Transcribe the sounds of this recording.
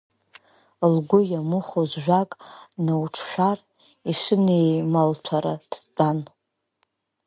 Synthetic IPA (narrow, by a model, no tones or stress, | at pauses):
lɡʷʊjamuχozʒᶣʷakʼnawʈ͡ʂʰʃʷᶣar | iʂʷɨnejmaltʷʰaɾad̥t͡pʷʼan